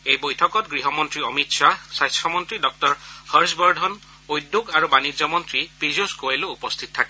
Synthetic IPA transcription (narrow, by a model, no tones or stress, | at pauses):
ejbojtʰɔkɔtɡɹiɦɔmɔntɹiɔmitsasajstɔmɔntɹidɔk̚tɔɹhɔɹsbɔɹdʱɔn | ojdːuɡaɹubanizɔmɔntɹipizuskoɹeloupɔst̪ʰit̚tʰakɛ